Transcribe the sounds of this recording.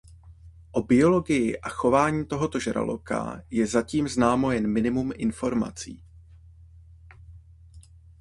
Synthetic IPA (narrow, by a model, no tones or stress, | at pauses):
ʔo̞bɪo̞lo̞ɡɪjɪʔaxo̞vaːɲiːt̪o̞ɦo̞t̪o̞ʒɛɾa̰lo̰ka̰jɛzaciːmznaːmo̞jɛnmɪnɪmumʔɪnfo̞ɾma̰t͡sḭː